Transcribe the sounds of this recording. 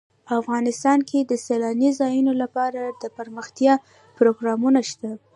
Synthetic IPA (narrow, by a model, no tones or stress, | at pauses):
afɣɑnɪst̪ɑnkʰed̪əselɑnizɑjunolapɑɾad̪əpəɾməxt̪jɑ | pɾoɡɾɑmunaʃt̪a